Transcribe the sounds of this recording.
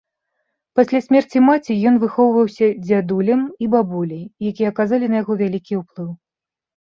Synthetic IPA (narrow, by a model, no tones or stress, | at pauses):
pasʲlʲasʲmʲɛrt͡sʲimat͡sʲijɔn̪vɨxɔwvɐwsʲɐd͡zʲad̪ulʲɐmibabulʲɐjjakʲijɛɐkazalʲinɐjaɣɔvʲalʲikʲiuplˠɨw